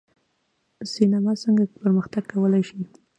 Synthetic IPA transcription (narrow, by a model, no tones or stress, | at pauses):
sinamɑsəŋɡapəɾməxt̪aɡkːawəlajʃi